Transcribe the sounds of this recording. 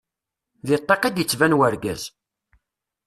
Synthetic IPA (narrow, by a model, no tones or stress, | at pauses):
ðit̪ˤːɑqæd̪jət͡sːvænwəɾɡæ̰z̥